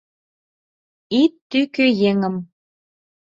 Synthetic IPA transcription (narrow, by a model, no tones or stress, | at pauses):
it̪ːykøjeŋə̆m